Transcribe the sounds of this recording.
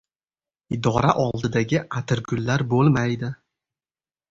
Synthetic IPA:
ɪd̪ɒɾaʔɒlˠd̪ɪd̪aɡʲɪat̪ʰɪɾɡʰʊlːaɾbolˠmajd̪ɪ

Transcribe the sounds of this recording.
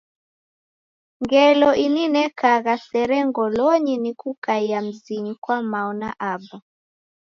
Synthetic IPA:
ŋɡɛlɔʔininɛkaɣasɛɾɛŋɡɔlɔɲinikukaiam̩ziɲikwamaɔnaʔaba

